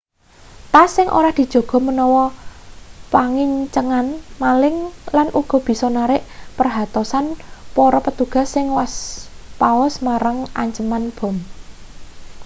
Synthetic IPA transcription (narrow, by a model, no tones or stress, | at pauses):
t̪asɪŋʔo̰ɾahd̪̥i̤̥ʒ̥o̤ɡ̥ɔ̤mənɔwɔ | paŋɪɲt͡ʃəŋanmalɪŋlanʔuɡ̥ɔ̤b̥i̤sɔnaɾɪʔpərɦat̪ɔsanpoɾɔpət̪uɡ̥a̤sːɪŋwaspaɔsmaɾaŋa̰ɲt͡ʃəmanb̥ɔ̤m